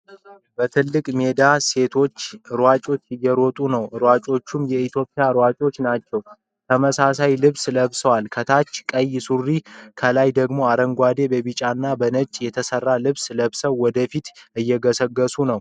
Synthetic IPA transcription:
bət̪ʰɨlːɨkʼme̞d̪ase̞t̪ʰo̞t͡ʃːɨɾwat͡ʃʼo̞t͡ʃːɪjːɛɾɔt̪ʼunəwɨɾwat͡ʃʼo̞t͡ʃːumjɛit̪ʰjo̞pʼːɪjaɨɾwat͡ʃʼo̞t͡ʃːnat͡ʃːɛw | t̪ʰəməsasajlɨβsləβsəwalkʰət̪ʰat͡ʃːkʼəjːsurːikʰəlajd̪əɡmo̞aɾəŋɡʷad̪e̞bəβɨt͡ʃʼanːabənət͡ʃʼjɛt̪ʰəsərːalɨβsləβsəwːɔd̪əfit̪ɨjːɛɡəsəɡːəsunəw

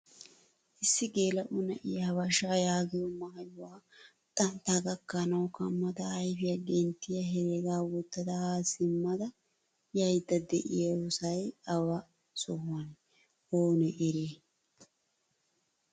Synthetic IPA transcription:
ʔɪsːɪɡeːlɐʔʊnɛʔɪjawɐʃajaːɡɪjɔmɐhɐjʊwaː | t̪ʼɐnt̪aːɡɐkːɐnɐwkɐmːɐd̪ɐːjfɪjɐɡɛnt̪ːɪjɐɦɛɾeːɡaːwɔt̪ːɐd̪ɐhaːsɪmːɐd̪ɐ | jɐjd̪ːɐd̪ɛʔɪ̰jɐwɔsɐjɐwɐ | sɔhʊwɐn | oːnɛʔɪɾeː

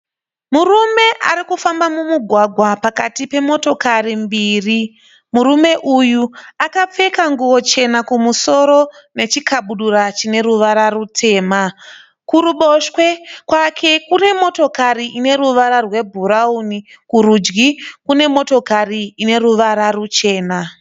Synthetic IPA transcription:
murume̞ʔa̰ɾikufambamumuɡʱwaɡʱwapakatipe̞mo̞to̞karimbiːri | murume̞ʔujuakap͡fe̞kaŋɡuʋo̞t͡ʃe̞nakumuso̞ɾo̞ne̞t͡ʃikaɓuɗuɾat͡ʃine̞ɾuʋaɾarutʰe̞ːma | kuɾuɓo̞ʃkwe̞kwakʰe̞kune̞mo̞to̞kaɾiʔine̞ɾuʋaɾarwe̞bʱuɾauni | kuɾud͡ʒɡikune̞mo̞to̞kariːne̞ɾuʋaɾarut͡ʃe̞ːna

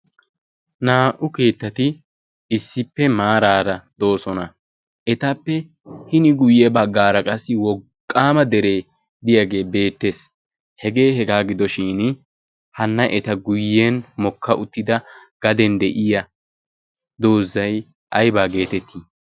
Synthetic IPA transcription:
naːʔʊke̞ːt̪ːɐt̪ɪ | ɪsːɪpːɛmaːɾaːɾɐd̪o̞ːsɔnɐ | ʔɛt̪ɐpːɛ | hɪnɪɡʊjːɛbɐɡːaːɾɐkʼɐsːɪwɔkʼːaːmɐd̪ɛɾe̞ː | d̪ɪjɐɡe̞ːbe̞ːt̪ːe̞ːs | hɛɡe̞ːhɛɡaːɡɪd̪ɔʃɪːn | hɐnːɐʔɛt̪ɐɡʊjːenmɔkʰːɐʔʊt̪ːɪd̪ɐ | ɡ̥ɐd̪ɛnd̪ɛʔɪjɐ | d̪o̞ːzːɐj | ʔɐjbaːɡe̞ːt̪ɛt̪ʰːiː

